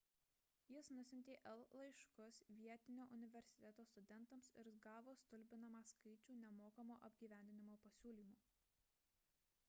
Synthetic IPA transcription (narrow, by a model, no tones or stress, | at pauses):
jɪsnʊsʲɪnʲt̪ʲeːʔɛlˠlˠɐɪʃkʊsʋʲiɛt̪ʲɪnʲoːʔʊnʲɪʋʲɛɾʲsʲɪ̥t̪ʲɛt̪oːst̪ʊd̪ʲɛnˑt̪ɐmsɪɾɡɑːʋoːst̪ʊlʲbʲɪnɐmɑːskɐɪt͡ʃʲuːnʲɛmoːkɐmoːʔɐbʲɡʲiːʋʲæˑnʲd̪ʲɪnʲɪmoːpɐsʲuːlʲiːmuː